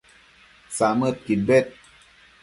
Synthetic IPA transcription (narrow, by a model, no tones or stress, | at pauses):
samət̪̚kit̚bet̪̚